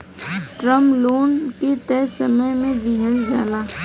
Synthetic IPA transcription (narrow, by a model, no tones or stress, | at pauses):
ʈɾəmloːnket̪ɛːsəməjmẽd̪iɦəld͡ʒaːlaː